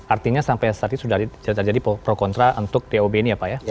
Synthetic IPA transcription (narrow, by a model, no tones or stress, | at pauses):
art̪iɲasampajt̪art̪isudaad͡ʒadippɾokɔnt̪ɾaunt̪ʊk̚deobeiniapaja